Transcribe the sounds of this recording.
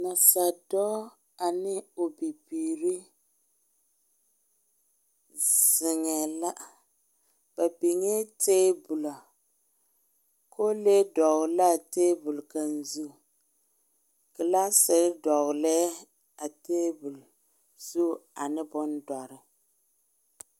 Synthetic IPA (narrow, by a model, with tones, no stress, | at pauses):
na˨sa˨dɔː˦ | a˨nɪ˦o˨bi˨biː˨ɾi˦ | z̥ɪ˨ŋɛ˨la˦ | b̥a˨bi˨ŋe˦teː˦bʊ˨la˨ | kʰo˦leː˦dɔ˨ɣʊ˨la˦˨teː˦bʊ˨lka˨n˨zu˦˨ | kɪ˨la˦sɪ˨ɾɪ˦dɔ˨ɣlɛː˦ | a˨teː˦bʊ˨l | z̥u˦a˨nɪ˦bʊ˦n˦dɔ˨ɾɪ˨